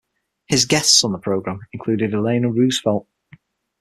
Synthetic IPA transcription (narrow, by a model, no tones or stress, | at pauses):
hɪzɡɛstsn̩ðəpʰɹ̥oʊɡɹãmɪ̃nkʰl̥ʉːdɪdɪlẽɪ̃nəɹʉːz̥fɛlˠʔ̚